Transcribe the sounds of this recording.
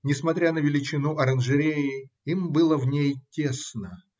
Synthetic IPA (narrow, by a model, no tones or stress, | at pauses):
nʲɪsmɐt̪ɾʲanəvʲɪlʲɪt͡ɕɪnuʔɐɾənʐɨɾʲeɪ | imbɨlˠəvnʲejtʲe̞snə